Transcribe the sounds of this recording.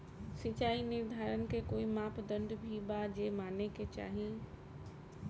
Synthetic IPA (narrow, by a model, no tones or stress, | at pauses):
sɪt͡ʃaːinɪɾd̪ʱaːɾənɪ̆kekoːimaːpd̪ə̃nɖ̪bʱibad͡ʑeːmaːneket͡ʃa̰ːɦi